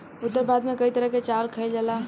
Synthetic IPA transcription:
ʊt̪ːəɾbad̪mekəit̪əɾəɦket͡ʃalkʰəɪld͡ʒala

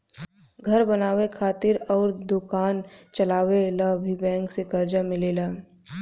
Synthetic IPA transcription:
ɡʱɐɾbɐnaːwekʰaːt̪ɪɾɔːɾd̪ʊkaːnt͡ʃɐlaːwelabʱibɛ̃ːŋksekɐɾd͡ʒamɪleːlaː

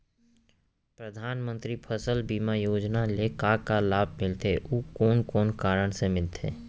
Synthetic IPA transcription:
pɾəd̪ʱaːnmə̃nt̪ɾipʰəsəlbiːmajoːd͡ʒnalekakalaːbʱmɪlt̪ʰeʔuːkɔːnkɔːnkaːɾəɽ̃semɪlt̪ʰḛː

